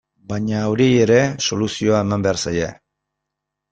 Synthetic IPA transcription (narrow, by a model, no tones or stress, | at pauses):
baɲaoɾieje̞ɾe̞so̞lusio̞ae̞mambe̞aɾsaje̞